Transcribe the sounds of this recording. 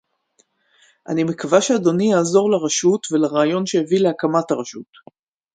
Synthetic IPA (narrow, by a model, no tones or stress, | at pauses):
ʔa̰nimekavaʃeado̞nijaːzo̞ʁlaʁaʃutvelaʁaːjo̞nʃejevileakamataʁaʃut